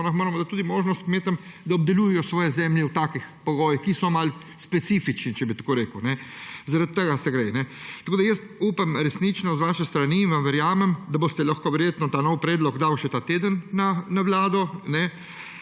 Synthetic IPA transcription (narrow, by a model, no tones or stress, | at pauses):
ɔnaxmoːɾɐmɔd̪at̪ːuːd̪imoːʒnɔst̪̚kmeːt̪əm | d̪aɔb̚d̪ɛljuːjɛjɔsʋɔːjɛzɛːmljɛwt̪aːkixpɔɡoːjixkisɔmal | spɛt̪sifit͡ʃnit͡ʃɛbit̪koːɾeːkəwnɛzaɾat̪̚t̪ːəɡasɛɡɾɛjnɛt̪ɐkoːd̪ajəst̪uːpamɾɛsnit͡ʃnɔzʋaːʃɛst̪ɾaniːnʋamʋɛɾjaːmɛmd̪abost̪ɛlaxkoʋɛɾjeːt̪nɔt̪aːnɔwpɾɛːd̪lɔɡd̪awʃɛt̪aːt̪eːd̪ənːanaʋlaːd̪ɔnɛ